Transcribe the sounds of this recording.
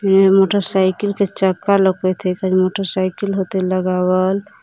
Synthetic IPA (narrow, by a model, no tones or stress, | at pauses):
enemoʈəɾsaɪkilket͡ʃəkːaləkːet̪ʰɛkaɾimoʈəɾsaɪkilɦot̪eləɡawəl